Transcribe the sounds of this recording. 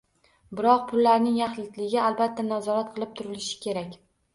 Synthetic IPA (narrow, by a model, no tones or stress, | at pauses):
bɪɾɒq̚pʰʊlːaɾnɪŋjaχlɪt̪lɪɡʲɪalˠbat̪ʰːanazɒɾat̪̚qʰɨlˠɪp̚t̪ʰʊɾɪlɪʃɪ̥kʲʰe̞ɾakʲ